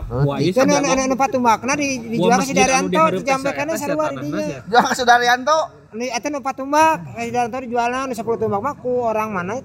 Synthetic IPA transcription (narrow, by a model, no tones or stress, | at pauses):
it̪unnnnupat̪umbak̚nadidid͡ʒualkas̬idaɾiant̪ɔt̪əd͡ʒampɛkanasaɾuadidiɲad͡ʒuakasidaɾiant̪ɔ | niat̪ɛnupat̪umbak̚kasidaɾant̪ɔdid͡ʒualnanusəpulut̪umbak̚makuoɾaŋmanait̪